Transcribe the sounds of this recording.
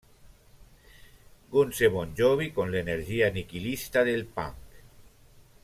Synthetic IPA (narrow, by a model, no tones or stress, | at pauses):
ɡunseβonʲd͡ʒoβikonleneɾʒianikilist̪aðelpa̰ŋk